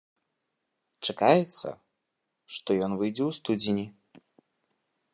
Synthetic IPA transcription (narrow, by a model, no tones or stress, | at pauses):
t͡ʂakajɛt̪sːɐ̰ | ʂt̪ɔjɔnvɨjd͡zʲɛwst̪ud͡zʲinʲi